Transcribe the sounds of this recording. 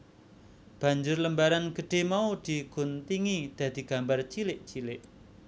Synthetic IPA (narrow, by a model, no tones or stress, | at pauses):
b̥a̤ɲd͡ʒʊrləmbaɾanɡ̥ə̤ɖ̥e̤maud̪̥i̤ɡ̥ʊ̤nt̪iŋid̪̥a̤d̪̥i̤ɡ̥a̤mbart͡ʃilɪʔt͡ʃilɪʔ